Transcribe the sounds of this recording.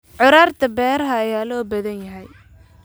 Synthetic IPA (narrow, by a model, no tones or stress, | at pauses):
ʕʊɾaːrt̪ʰɐbɛːɾɐɦɐːjaːlɔːbɐðɐnjɐɦɛj